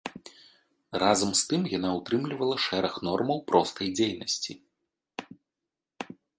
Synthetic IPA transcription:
razɐmst̪ɨmjanaut̪ɾɨmlʲivɐlˠɐʂɛɾɐxnɔrmɐwpɾɔst̪ɐjd͡zʲejnɐsʲt͡sʲi

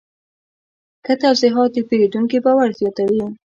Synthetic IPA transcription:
kət̪awziɦɑt̪̚epeɾid̪uŋkibawaɾzjɑt̪awi

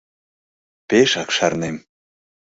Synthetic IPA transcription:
peʃɑkʃɑrnem

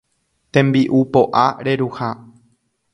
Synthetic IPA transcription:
t̪ẽ̞mbiʔupo̞ʔaɾe̞ɾuha

